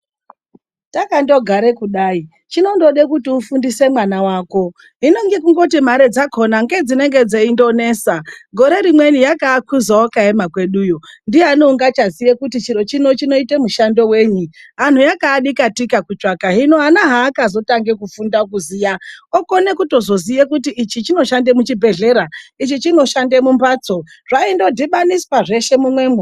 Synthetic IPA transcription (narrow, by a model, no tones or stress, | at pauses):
takando̞ɡʱaɾekuɗaːi | t͡ʃino̞ndo̞ɗekutiufundise̞mwanawaːko̞ | ɦino̞ŋɡekuŋɡo̞tim̤aɾe̞d͡zakʰo̞naŋɡe̞d͡zine̞ŋɡe̞d͡zeindo̞ne̞ːsaɡʱo̞ɾe̞ɾimwe̞nijakaːkʰuzawokaemakwe̞ɗuːjo̞ndieɦanouŋɡat͡ʃazijekutit͡ʃiɾo̞t͡ʃino̞t͡ʃino̞ite̞muʃando̞we̞ːɲiɦan̤ujakaːɗikatikakut͡ʃakaɦinoanaɦaːkazo̞taŋɡe̞kufundak̬uzijaoko̞ne̞kuto̞zo̞zijekutiʔːt͡ʃit͡ʃino̞ʃandemut͡ʃibʱe̞ɮe̞ɾait͡ʃit͡ʃino̞ʃande̞mumbaːt͡so̞ | ʐ̥aindo̞dʱiɓanispaʐe̞ʃe̞mumwe̞ːmwe